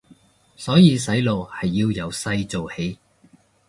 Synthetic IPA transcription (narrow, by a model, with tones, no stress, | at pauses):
sɔː˨˥jiː˧sɐ˨˥jlo˨whɐ˨jːiː˧wjɐ˨˧wsɐ˧jt͡so˨whe˨˥j